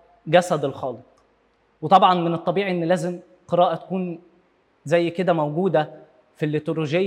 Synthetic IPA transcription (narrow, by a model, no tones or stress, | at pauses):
ɡæsæd̪elxɑːlet̪ | wet̪ˤɑbʕɑnmenet̪ˤːɑbiːʕiʔenːlæːzem | qeɾɑːʔɑt̪æ̥kuːn | zæjːked̪æmæwɡuːd̪æ | filːet̪oɾoʒejː